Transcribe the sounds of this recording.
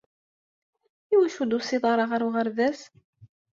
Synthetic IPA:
iwæʃud̪usɪðˤɑɾˤɑʁəɾuʁəɾðæs

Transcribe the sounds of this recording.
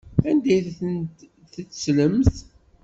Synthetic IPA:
ænd̪æjn | θət͡sːsləmθ

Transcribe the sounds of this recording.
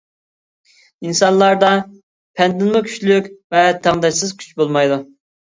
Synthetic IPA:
insɑnlˠɑɾd̪ɑ | pʰɛnd̪ɪnmʊkʲʰy̥ʃlykʲvɛt̪ʰæŋd̪ɛʃsɨzkʲʰy̥t͡ʃbolˠmɑjd̪u

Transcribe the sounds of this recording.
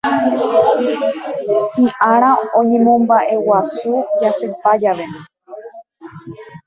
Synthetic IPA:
hĩʔaɾ̃aoɲẽ̞mõ̞mbaʔe̞wasud͡ʒasɨpad͡ʒaʋe̞nĩ

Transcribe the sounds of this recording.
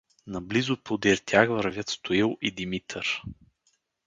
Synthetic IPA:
nɐblizʊpod̪iɾt̪ʰʲjaxvəɾvʲət̪st̪ʰoilˠʔid̪imit̪ʰəɾ

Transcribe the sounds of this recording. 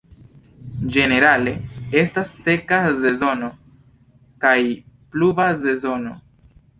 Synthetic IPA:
d͡ʒe̞ne̞ɾale̞e̞stasːe̞kaze̞zo̞no̞ | kaj | pluvaze̞zo̞no̞

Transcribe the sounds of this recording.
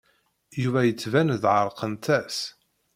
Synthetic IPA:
juvæjət͡sːvænðʕəɾˤqʰənt̪æs

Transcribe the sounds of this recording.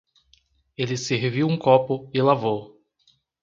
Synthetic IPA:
elɪseɦviwũkɔpʊɪlavow

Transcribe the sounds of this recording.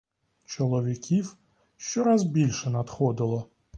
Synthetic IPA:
t͡ʃɔlˠɔʋʲikʲiw | ʃt͡ʃɔɾazbʲilʲʃɛnat̪xɔd̪ɪlˠɔ

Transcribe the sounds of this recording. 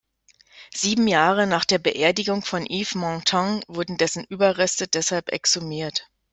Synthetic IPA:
z̥iːbm̩jaːʁənaːχd̥eːɐbəʔeːɐdɪɡʊŋfɔnʔiːfmɔ̃tʰɔ̃ŋvʊɐdn̩dɛsn̩ʔyːbɐʁɛstədɛshalpɛ̰ksumiːɐt

